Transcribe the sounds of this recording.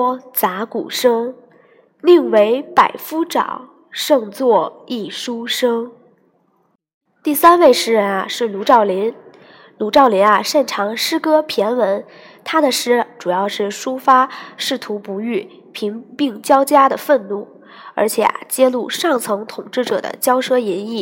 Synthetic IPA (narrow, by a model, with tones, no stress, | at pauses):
t͡sa˧˥kṵ˨˩ʂɤ˥ŋ | li˥˧ŋwe˧˥ɪpa˨˩ɪfu˥ʈ͡ʂɑ̰˨˩˦ʊ | ʂɤ˥˧ŋt͡swɔ˥˩i˥˩ʂu˥ʂɤ˥ŋ | t̪i˥˩sa˥nwe˥˩ɪʂɻ̩˥ɻə˧˥nɐ˧˩ʂɻ̩˥˩lu˧˥ʈ͡ʂɑ˥˩ʊli˧˥n | lu˧˥ʈ͡ʂɑ˥˩ʊli˧˥nɐ˧ʂə˥˩nʈ͡ʂʰɑ˧˥ŋʂɻ̩˥kɤ˥pʰjɛ˧˥nwə˧˥n | t̪ʰa˥d̪ə˨ʂɻ̩˥ʈ͡ʂu˨˩jɑ˥˧ʊʂɻ̩˥˩ʂu˥fa˥ʂɻ̩˥˩t̪ʰu˧˥pu˧˥y˥˩ | pʰi˧˥ŋpi˥˩ŋt͡ɕjɑ˥ʊt͡ɕja˥d̪ə˨fə˥˧nnu˥˩ | ə̰˞˧˥t͡ɕʰjɛ̰˨˩ɐ̰˦t͡ɕjɛ˥lu˥˧ʂɑ˥˩ŋt͡sʰɤ˧˥ŋt̪ʰʊ˨˩ŋʈ͡ʂɻ̩˥˩ʈ͡ʂɤ̰˨˩d̪ə̰˦t͡ɕjɑ˥ʊʂɤ˥jɛ˧˥ni˥˩